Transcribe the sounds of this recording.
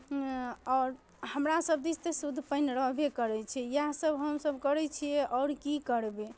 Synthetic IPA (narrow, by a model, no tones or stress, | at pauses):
ɔɾ | həmɾasəbd̪ist̪esud̪ʱːpənɾəɦbekəɾɛt͡ʃʰɛjaɦsəbɦəmsəbkəɾɛt͡ʃʰijɛʔɔːɾkikəɾbe